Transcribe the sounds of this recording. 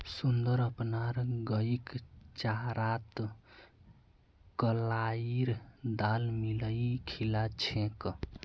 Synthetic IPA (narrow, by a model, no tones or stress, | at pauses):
sund̪əɾəpnaɾɡəikt͡ʃaɾat̪ | kəlaiɾd̪almiləjkʰilat͡ʃʰẽk